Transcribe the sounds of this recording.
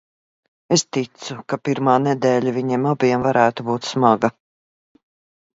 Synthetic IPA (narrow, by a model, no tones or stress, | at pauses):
est̪it̪sukapiɾmaːnɛd̪ɛːlʲaviɲɛmabiɛmvaɾæːt̪ubuːt̪smaɡɐ